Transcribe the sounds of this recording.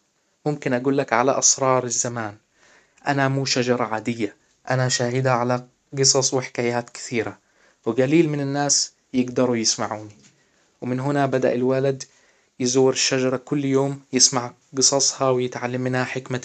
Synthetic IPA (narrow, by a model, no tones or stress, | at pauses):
mʊmkɪnʔaɡuːlːakʕalaʔɑsɾˤɑːɾˤɪzːamaːn | ʔanamuːʃad͡ʒɑɾˤɑʕaːd̪ɪjːa | ʔanaʃaːhɪd̪aʕala | ɡɨsˤɑsˤwɪħɪ̥kaːjaːt̪kɪ̥θiːɾa | wɪɡaliːlmɪnɪnːaːs | jɪɡd̪ɑɾˤujɪsmaʕuːni | wɪmɪnɦʊnabad̪a̰ʔɪlwalad̪ | jɪzuwːɪɾɪʃːad͡ʒɑɾˤɑkʊlːjoːmjɪsmaʕ | ɡɨsˤɑsˤhɑwɪjɪt̪ʕalːamːɪnhaħɪkma